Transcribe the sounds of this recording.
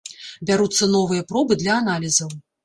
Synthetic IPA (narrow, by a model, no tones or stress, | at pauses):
bʲaɾut̪sːɐnɔvɨjɐpɾɔbɨd̪lʲɐːnalʲizɐw